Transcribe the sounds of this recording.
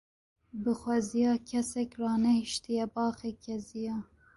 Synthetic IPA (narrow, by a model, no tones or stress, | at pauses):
bɨxwɛzijɑːkʰɛsɛkrɑːnɛhiʃt̪ijɛbɑːxeːkʰɛzijɑː